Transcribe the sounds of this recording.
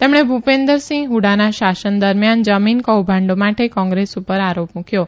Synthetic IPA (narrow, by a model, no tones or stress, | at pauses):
t̪emɽ̃ebʱupend̪əɾsĩŋɡɦuɽanaʃasənd̪əɾmjand͡ʒəminkəwbʱãɳɖomaʈekɔ̃ŋɡɾesupəɾaɾopmũkʰjo